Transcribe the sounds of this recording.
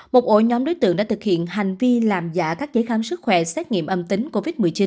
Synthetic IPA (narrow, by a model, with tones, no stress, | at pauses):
mo˨˩t̚ʔo̰˧˩ɲɔ˨˦mɗo˨˦jt̪ɨ̰˧˨əŋɗa̰ː˧˥t̪ʰɨ˨˩k̚hḭ˧˨ənɦa˨˩jŋ̟vi˧laː˨˩mza̰ː˧˥kaː˦˥k̚zəː˨˦jxaː˨˦msɨ˦˥k̚xwɛ˧˩sɛ˦˥t̚ŋḭ˧˨əmʔə˧mt̪ï˨˦ŋ̟ko˧vi˦˥t̚mɨ˨˩əjt͡ɕi˨˦n